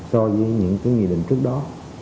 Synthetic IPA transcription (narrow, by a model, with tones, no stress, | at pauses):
sɔ˧vəː˨˦ɲɨ̰˧˥ŋkaː˨˦jŋḭ˨˧˨ɗï˧˨ŋ̟t͡ɕɨ˦˥ək̚ɗɔ˨˦